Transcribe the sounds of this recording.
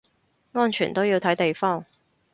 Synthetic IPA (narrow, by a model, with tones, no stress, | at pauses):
ŋɔː˥nt͡ʃʰyː˨˩nt̪o˥wjiː˧wt̪ʰɐ˨˥jt̪e˨jfɔː˥˩ŋ